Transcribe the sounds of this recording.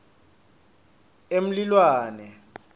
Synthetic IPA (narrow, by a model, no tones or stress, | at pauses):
em̩lilwaːnɛ